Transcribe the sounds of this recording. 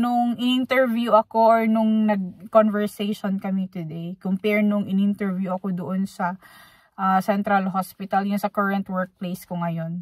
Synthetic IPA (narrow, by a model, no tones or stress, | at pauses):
nʊŋʔɪnɪnt̪ɛɹvjuʔɐko̞ʔoɹnʊŋnɐɡ̚konvɛɹsejʃonkɐmit̪ʊd̪ejkʊmpɛɹnʊŋɪnɪnt̪ɛɹvjuʔɐko̞d̪oʔonsɐ | ʔasɛnt̪ɾɐlɦospɪt̪ɐljʊnsɐkɐɹɐnt̪wɛɹk̚plejskoŋɐjo̞n